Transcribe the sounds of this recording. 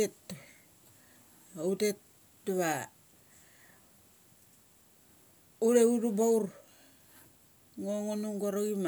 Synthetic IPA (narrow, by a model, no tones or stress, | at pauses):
et | outet | duβa | uɾeuɾubauɾ | ŋoŋonuŋɡoɾoɡima